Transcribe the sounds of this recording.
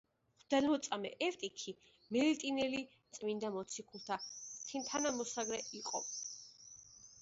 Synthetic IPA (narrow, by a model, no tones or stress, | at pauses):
χd̪̥ɛlmɔt̪sʼamɛ̰ʔɛft̪ʼikʰi | mɛlit̪ʼinɛli | t̪sʼmind̪amɔt̪sʰikʰulˠt̪ʰast̪ʰint̪ʰanamɔsaɡɾɛiqʼɔ̰